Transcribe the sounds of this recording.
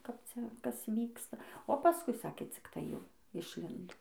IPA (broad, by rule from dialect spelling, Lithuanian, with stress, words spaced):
kɐp ˈt͡sʲɛ ˈkɐs ˈʋʲiːkstɐ oː pɐˈskʊɪ ˈsɑːkʲeː ˈt͡sʲɪk tɐɪ ˈjɛʊ ɪʃʲˈlʲɪndoː